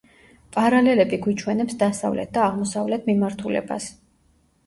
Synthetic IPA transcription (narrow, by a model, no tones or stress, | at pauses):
pʼaɾalɛlɛbiɡwit͡ʃʰwɛnɛpsd̪asa̰vlɛ̰t̪̚ʰd̪aːʁmɔsavlɛt̪ʰmimaɾt̪ʰulɛ̰ba̰s